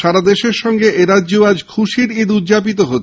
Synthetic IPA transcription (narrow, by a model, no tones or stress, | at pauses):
ʃaɾad̪eʃeɾʃɔŋɡeʔeɾadːd͡ʑoad͡ʑkʰuʃiɾid̪udd͡ʑap̬it̪̬oɦot̪ː